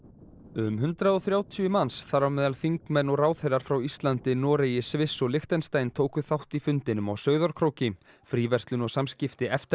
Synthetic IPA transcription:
ʏmɦʏnt̪ɾaðɔθɾjaːwt̪ʰʏʏmansθaɾawmɛːðalθiŋkmɛnːɔɣraːwθejɾaɾ̥fɾawist̪lant̪ɪnɔːɾejɪsvɪsːɔɣlɪxt̪ɛnst̪aːjnt̪ʰoːwkʏθawht̪ifʏnt̪ɪnʏmawsœːɥðɔɾ̥kʰɾowcɪm | fɾiːvɛrst̪lʏnɔɣsamscɪft̪ɪɛft̪

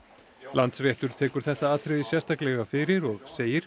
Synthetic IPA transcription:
lʔant̪srjɛht̪ʏɾ̥t̪ʰɛːkʏɾ̥θɛht̪aaːt̪ʰɾɪðɪsjɛst̪aklɛɣafɪɾɪɾɔɣseːjɪɾ̥

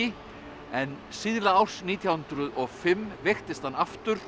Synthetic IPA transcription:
ɪ | ɛn | siðlaawsniːt̪ʰjawhʏnt̪ɾʏðɔɣfɪmːvɪxt̪ɪst̪hanːaft̪ʏɾ̥

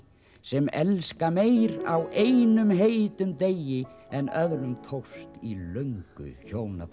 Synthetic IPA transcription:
sɛmɛ̰lskameːjɾa̰wʔejnʏmɦejt̪ʏmt̪ejɪɛnœðɾʏmt̪ʰowst̪ilœɥŋkʏ̰çoːwna̰p

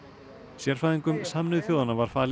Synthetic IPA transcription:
sjɛɾ̥faːðiŋkʏmsaːmnʏðθjowðanavaɾ̥faːl

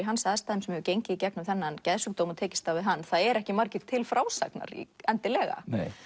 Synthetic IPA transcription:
iɦanːsaðst̪aːðɪmsɛmɛvʏcejɲcɪicɛknʏmθɛnːancɛðsʏkt̪oːwmɔt̪ʰɛːcɪst̪avɪðɦanːθaðɛɾɛhcɪmaɾcɪɾ̥t̪ʰɪlfɾaːwsa̰kna̰ɾḭɛnt̪ɪlɛːɣa̰nḛj

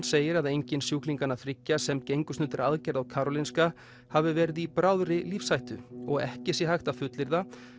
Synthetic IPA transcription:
nseːjɪɾaðejɲcɪnsjuːkliŋkanːaθɾɪcːasɛmcejŋkʏsnʏːt̪ɪɾaðcɛɾðawkʰaːɾɔlinska | havɪvɛːɾɪðipɾaːwðɾɪliːfsajht̪ʏɔɣɛ̰hcɪsjɛhajxt̪afʏt̪lɪɾða

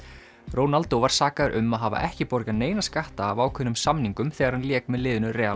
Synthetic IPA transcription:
roːwnalt̪owvaɾ̥saːkaðɾʔʏ̰mːaðɦava̰ʔɛhcɪpɔɾkaneːjnaskaht̪aːvaːwkʰʏnʏmsamniŋkʏmθɛːɣaɾ̥hanljɛːkmɛðlɪːðʏnʏɾɛː

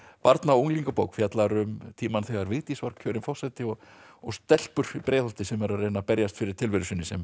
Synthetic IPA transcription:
paɾt̪naowŋliŋkapowkfjat̪laɾʏmt̪ʰiːmanθɛɣaɾvɪɣt̪isvaɾ̥cʰːœːɾɪnfɔsat̪ɪɔɣɔɣst̪ɛl̥pʏɾ̥ipɾʔeːjðɔlt̪ɪsɛmɛɾarejnapɛɾjast̪fɪɾɪɾ̥t̪ʰɪlvɪɾʏsʏnːɪsɛm

